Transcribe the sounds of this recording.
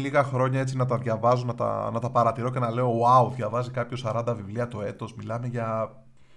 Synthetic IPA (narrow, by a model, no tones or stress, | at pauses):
liɣɐxɾo̞ɲɐe̞t͡sinɐt̪ɐðʝɐvɐzonɐt̪ɐ̰nɐt̪ɐpɐɾɐt̪iɾo̞cenɐle̞o̞ɐuðʝɐvɐzikɐpço̞sɐɾɐnd̪ɐvivliɐt̪o̞e̞t̪o̞zmilɐme̞ʝɐ